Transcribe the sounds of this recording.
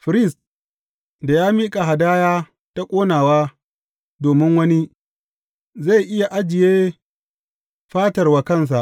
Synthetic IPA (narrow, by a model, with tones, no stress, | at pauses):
ɸɪ˨ɾɪ˦˨s | da˨jaː˦miː˦kʼa˨ɦa˨daː˦jaː˦ | ta˦kʷʼoː˦naː˨waː˦ | doː˨mɪ˦ŋwɐ˦ni˦ | za˦˨jʔɪ˦ja˨ʔa˦d͡ʒɪ˨jeː˦ | ɸaː˦tɐ˨rwaː˦kɐ˦˨ns̬a˨ʔ